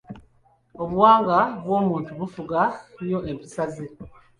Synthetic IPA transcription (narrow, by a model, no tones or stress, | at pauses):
oβuwaːŋɡaβwo̞ːmuːntuβufuɡaɲo̞ʔeβisazi